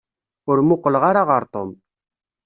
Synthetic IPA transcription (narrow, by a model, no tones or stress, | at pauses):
ʊɾmuqəlʁaɾaʁɑɾt̪ʼom